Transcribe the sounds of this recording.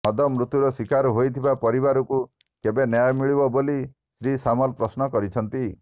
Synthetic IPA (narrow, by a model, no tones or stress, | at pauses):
ɔd̪ɔmɾut̪juɾɔswikaɾɔɦojt̪ʰibapɔɾibaɾɔku | kebenjajmiɭibɔboli | sɾisamɔlpɾɔsnɔkɔɾit͡ʃʰɔnt̪i